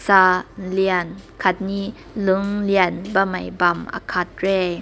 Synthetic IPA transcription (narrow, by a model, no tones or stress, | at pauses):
saliənkʰat̪̚ni | lɯŋliənbamajbamʔa̰kʰat̪̚ɾɛ